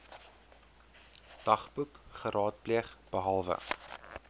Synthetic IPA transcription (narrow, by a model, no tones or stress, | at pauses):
d̥ɐχbukχəɾʔɑːt̚pliəχb̥əɦɐlˠvə̰